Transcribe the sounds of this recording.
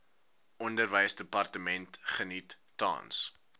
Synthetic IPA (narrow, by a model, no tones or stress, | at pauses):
ɔndərvəjsdəpɐrtəmɛntχənitːɑ̰ːns